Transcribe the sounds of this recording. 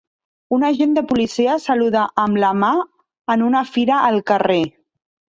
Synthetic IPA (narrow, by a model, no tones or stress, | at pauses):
unəʒend̪əpulisiəsəluðaʔəmləma | ənunəfiɾəʔəlˠkəre